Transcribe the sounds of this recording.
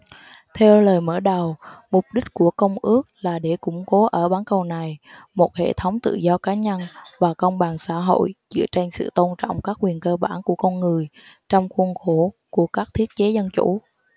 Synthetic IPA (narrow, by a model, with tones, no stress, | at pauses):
t̪ʰɛ˧wləː˨˩jməː˧˩ɗa˨˩wmʊ˨˩k͡p̚ɗï˦˥k̟̚ku˧˩əkə˧wŋ͡mʔɨ˦˥ək̚laː˨˩ɗe˧˩kʊ̰˧˩ŋ͡mko˨˦ʔəː˧˩ɓaː˨˦nkə˨˩wna˨˩j | mo˨˩t̚hḛ˧˨t̪ʰə˨˦wŋ͡mt̪ɨ̰˧˨zɔ˧kaː˨˦ɲə˧nvaː˨˩kə˧wŋ͡mɓaː˨˩nsa̰ː˧˥ɦo̰˧˨jt͡ɕɨ̰˧˥t͡ɕa˧jŋ̟sɨ̰˧˨t̪o˧nt͡ɕɔ̰˧˨wŋ͡mkaː˦˥k̚ːwi˨˩ənkəː˧ɓaː˧˩nku˧˩əkɔ˧nŋɨ˨˩əj | t͡ɕɔ˧wŋ͡mxu˧nxo˧˩ku˧˩əkaː˦˥k̚t̪ʰi˦˥ət̚t͡ɕe˨˦zə˧nt͡ɕu˧˥